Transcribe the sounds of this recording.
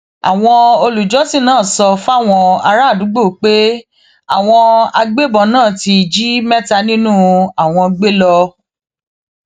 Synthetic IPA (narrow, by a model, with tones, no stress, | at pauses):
a̰˨w̃ɔ̃˧o˧lu˨d͡ʒɔ˨˦si˦˨nãː˦˨sɔ˧fa˦˨w̃ɔ̃˧a˧ɾa˦˨du˨˦ɡ͡bo˦˨k͡pe˦ | a˨w̃ɔ̃˧a˧ɡ͡be˦bɔ˨nãː˦˨ti˧˨d͡ʒi˦mɛ˦ta˧nĩ˦nũ˦a˨w̃ɔ̃˧ɡ͡be˦lɔ˧